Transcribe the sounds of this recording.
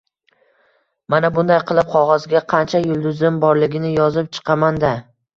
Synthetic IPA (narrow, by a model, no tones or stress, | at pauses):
manabʊnd̪ajqʰɨlˠɪp̚qʰɒʁɒzɡʲaqʰɑnt͡ʃʰajʊlˠd̪ʊzɪmbɒɾlɪɡʲɪnɪjɒzɪp̚t͡ʃʰɨ̥qʰɑmand̪a